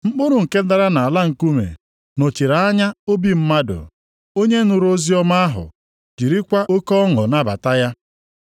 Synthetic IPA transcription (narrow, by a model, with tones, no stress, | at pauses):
mŋ͡m̩˦k͡pʊ˦ɾʊ˨ŋ̩˨ke˦da˦ɾa˦na˨a˨la˦ŋ̩˨ku˦mḛ˨ | no˨t͡ʃi˨ɾa˨a˦ɲa˦o˦bi˦m̩˦ma˦dʊ̰˨ | o˦ɲe˦nʊ˨ɾo˦zi˦ɔ˦ma˦a˦ɦʊ̰˨ | d͡ʒi˨ɾi˦kʷa˦o˦kɔ˦ɔ˦ŋɔ˨na˦ba̰˨ta˦ja˦